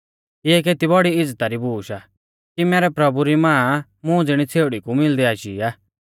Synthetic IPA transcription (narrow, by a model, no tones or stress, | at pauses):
ɪɛk̬eːt̪ibɔɽiɪd͡zt̪aɾibuːʃa | kimɛːɾɛpɾɐbuɾimãː | mʊ̃d͡zɪɽ̃it͡sʰeːɽikumɪld̪iaːʃḭːaː